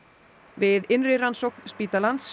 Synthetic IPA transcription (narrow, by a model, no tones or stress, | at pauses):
vɪðɪnrɪransowknspiːt̪alant̪s